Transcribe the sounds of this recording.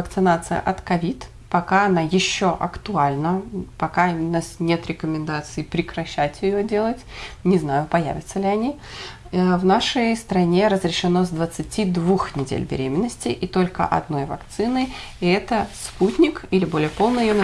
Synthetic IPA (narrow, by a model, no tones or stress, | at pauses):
əkt̪sɨnat̪sɨjə̰ʔɐt̪kɐvʲit̪ | pɐkaɐnajɪɕːo̞ʔɐ̰kt̪ʊalʲnəpɐkanasnʲe̞t̪ɾʲɪkəmʲɪnd̪at̪sɨɪpɾʲɪkɾɐɕːætʲjɪjodʲe̞lˠətʲnʲɪznajʊpɐjæ̰vʲɪt̪səlʲɪɐnʲi | vnaʂəjst̪ɾɐnʲe̞ɾəzɾʲɪʂɨno̞zd̪vət̪sɨtʲid̪vuxnʲɪdʲḛlʲbʲɪ̰ɾʲemʲɪnːəsʲtʲɪʔit̪o̞lʲkə̰ʔɐ̰d̪no̞jvɐ̰kt̪sɨnɨ | ɛt̪əsputʲnʲɪkilʲɪbo̞lʲɪjəpo̞lˠnɨjɪjon